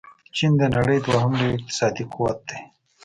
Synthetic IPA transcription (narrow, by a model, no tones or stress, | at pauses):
t͡ʃind̪enɐɽəjd̪waɦɐmliɪq̚t̪ɪ̥sɑːd̪iqʰuwɐt̪̚d̪e